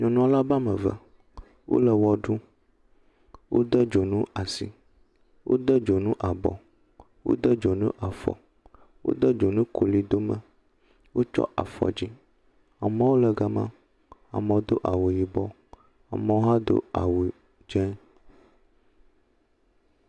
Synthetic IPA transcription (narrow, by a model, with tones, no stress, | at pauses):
ɲɔ̃˨nũ˦a˨la˦ba˦mə̃˨və̰˨ | wʔo̰˦lə˨wɔ˨ɖu˦ | wʔo̰˦d̪ə˦d͡ʒo˨nũ˦ʔa˨sḭ˨ | wʔo̰˦d̪ə˦d͡ʒo˨nũ˦ʔa˨bɔ̰˨ | wo̰˦d̪ə˦d͡ʒo˨nṵ̃˦ʔa˨fɔ̰˨ | wʔo̰˦d̪ə˦d͡ʒo˨nũ˦kʰo˨li˦d̪o˦mə̃˨ | wo˦t͡ʃɔ̰˦ʔa̰˨fɔ̰˨d͡ʑi˦ | a˨mə̃˦wo˦lə˨ɡa˨mã̰˦ | a̰˨mə̃˨wo˦d̪o˦ʔa˨wo˨ji˨bɔ˦ | a˨mə̃˨wo˦ɦa˦d̪o̰˦a̰˨wo˨ | d͡ʒɛ̃˦